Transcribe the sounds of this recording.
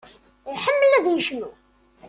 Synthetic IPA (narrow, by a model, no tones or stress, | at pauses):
ħəmːəlæðjəʃnu